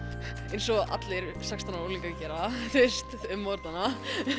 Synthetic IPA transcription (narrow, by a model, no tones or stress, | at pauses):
ejnsɔʔa̰t̪lɪɾsakst̪ʰanaoːliŋkacɛːɾaθɪst̪ʏmːɔɾt̪ana